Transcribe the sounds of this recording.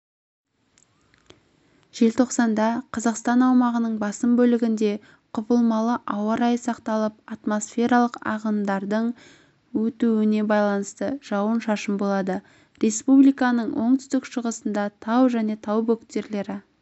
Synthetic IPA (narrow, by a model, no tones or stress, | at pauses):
ʒ̥e̞lt̪ʰo̞qsɑnd̪ɑqʰɑzɑqst̪ɑnɑwmɑʁənəɴbɑsəmbɵlɪɡʲɪnd̪e̞ | qʰʊpəlˠmɑlˠəʔɑwəɾɑjsɑqt̪ɑlˠəp̚ɑt̪mo̞sfʲe̞ɾɑlˠəqɑ̰ʁəmd̪ɑɾd̪əɴ | wɵt̪uwɪne̞bɑjlˠɑnəst̪əʒ̥ɑwənʃɑʃəmbo̞lˠɑd̪ə | ɾe̞spublijkɑnəɴwʔo̞ɴt̪ʏ̥st̪ɪkʃəʁəsənd̪ɑt̪ʰɑwʒæne̞t̪ʰɑwbɵkt̪e̞ɾle̞ɾɪ